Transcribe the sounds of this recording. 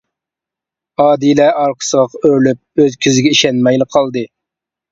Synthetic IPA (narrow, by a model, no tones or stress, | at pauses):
ɑːd̪ilɛɑɾqʰə̥səʁəqøɾlyp̚øzkʲʰyzɪɡʲɛiʃɛnmɛjlɪqʰɑlˠd̪ɨ